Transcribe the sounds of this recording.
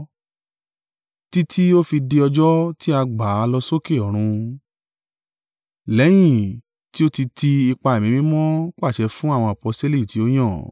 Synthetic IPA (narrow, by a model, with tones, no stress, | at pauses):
ti˦tʰi˦o˦fi˧de˧ɔ˧d͡ʒɔ˦ti˦a˧ɡ͡ba˨˦˧lɔ˧so˦ke˦˨ɔ˨ɾ̃ũ˧ | lɛ˨˦j̃ĩ˦˨ | ti˦o˦ti˧ti˧i˧k͡pa˧e˨mĩ˨˧mĩ˦mɔ̃˦k͡pa˦˨ʃɛ˧fũ˦a˦˨w̃ɔ̃˧˨a˨pɔ˧ste˦li˦˨ti˨o˦j̃ɔ̃˦˨